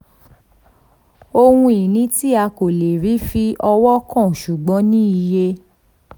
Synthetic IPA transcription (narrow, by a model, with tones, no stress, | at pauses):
o˧hũ˧i˨nĩ˨˦ti˦a˧ko˨le˨ɾi˨˦fi˧ʔɔ˧wɔ˦kɔ̃˦˨ʃu˨ɡ͡bɔ̃˨˦nĩ˦i˧je˧